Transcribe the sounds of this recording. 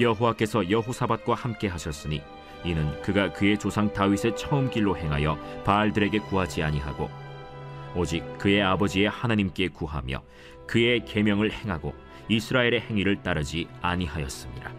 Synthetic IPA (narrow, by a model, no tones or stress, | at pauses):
jʌɦowak͈e̞sʰʌjʌɦosʰabat̚k͈wahamk͈e̞ɦaɕʰʌs͈ɯɲḭ | inɯnkɯɡakɯe̞t͡ɕosʰaŋtaɥisʰe̞t͡ɕʰʌɯmk͈iɭːoɦe̞ŋɦajʌpaɭdɯɾe̞ɡe̞kuɦad͡ʑiaɲiɦa̰ɡo̰ː | d͡ʑik̚k͈ːɯe̞abʌd͡ʑie̞hanaɲimk͈e̞kuɦa̰mjʌ̰ | kɯe̞ke̞mjʌŋɯɭhe̞ŋɦaɡo̰ | isʰɯɾaeɾe̞he̞ŋiɾɯɭt͈aɾɯd͡ʑiaɲiɦajʌ̰s͈ɯmɲiɾa